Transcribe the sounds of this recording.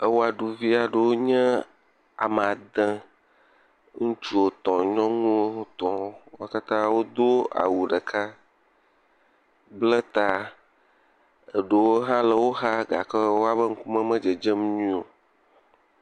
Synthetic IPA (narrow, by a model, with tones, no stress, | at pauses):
ə˦wo˦a˨ɖu˨vi˦a˨ɖə˦˨wo˦ɲɛ̃˦ | a̰˨m˨a˨d̪ə̃˦ | ŋũ˦t͡ʃu˦o˨t̪ɔ̃˨ɲɔ̃˦ŋũ˦o˦ũ˦t̪ɔ̃˨˦wo˦ka˦t̪ã˦wo˦d̪o˦a̰˨wu˨ɖə˨kʰa˦ | blɛ˦t̪a˦ | e˨ɖə˨wo˦ɦã˦lə˨wo˦ɦa˦ɡa˨kə˦wo˦a˦βə˦ŋ̩˦ku˦mə̃˦mə̃˦d͡ʒe˨d͡ʒe˦mɲũ˦o˨